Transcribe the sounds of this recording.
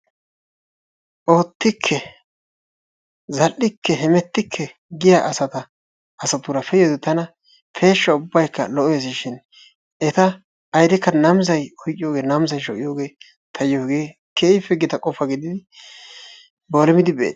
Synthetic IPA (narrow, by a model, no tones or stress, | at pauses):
ʔo̞ːt̪ːɪkʰːɛ | zɐlʔːɪkʰːɛɦɛmɛt̪ːɪkʰːɛ | ɡɪjaʔɐsɐt̪ɐ | ɐsɐt̪ʊɾɐfɛjɔd̪t̪ɐnɐ | fʰe̞ːʃːɐʊbːɐjkːɐ̰lɔʔɔjɛs̬ɪʃɪn | ɛt̪ɐː | jd̪ɛkːɐnɐmzɐjɔjkʼɪjoːɡe̞ːnɐmzɐjʃɔkʼɪjoːɡe̞ː | t̪ʰɐjjoːɡe̞ː | kʰeːɪfɛɡɪt̪ɐkʼɔfɐɡɪd̪ɪd̪ɪ | bolɛmɪd̪ɪbɛ̰